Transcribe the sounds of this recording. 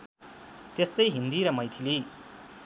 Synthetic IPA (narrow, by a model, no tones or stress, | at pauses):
t̪est̪ʌjɦind̪iɾʌmʌjt̪ʰili